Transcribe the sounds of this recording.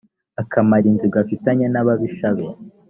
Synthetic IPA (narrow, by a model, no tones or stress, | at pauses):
akʰamaɾinziɡafitaɲenaβaβiʃaβe